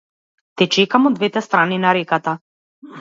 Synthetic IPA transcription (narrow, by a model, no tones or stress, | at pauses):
t̪ɛt͡ʃɛkamɔd̪vɛt̪ɛst̪ɾaninaɾɛkat̪a